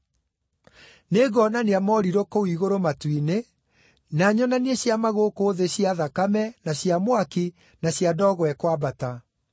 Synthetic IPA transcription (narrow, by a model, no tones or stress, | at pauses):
neɡɔnaneamɔɾiɾokowiɣoɾomatwine | naɲɔnanieɕjamaɣoːkoːðeɕiaðakamɛnaɕjamwaki | naɕjadɔːɣɔwɛkwabata